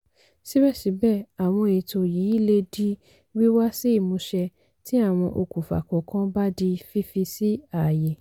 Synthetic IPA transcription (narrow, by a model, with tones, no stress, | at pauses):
si˦bɛ˦˨ʃi˨˦bɛ˦˨a˨w̃ɔ̃˧e˧˨to˧jiː˨˦i˦˨le˧di˦ | wi˦wa˦si˦i˦˨mũ˨˧ʃɛ˧ | ti˦a˦˨w̃ɔ̃˧ʔo˧ku˨fa̰˨kɔ˨kã˦ba˦di˧fi˦fi˧si˦a˦˨jɛ˨